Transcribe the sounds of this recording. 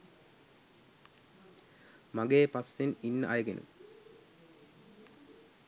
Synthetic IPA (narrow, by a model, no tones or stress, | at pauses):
mɐɡeːpɐsininːəʔajɐɡenʔṵ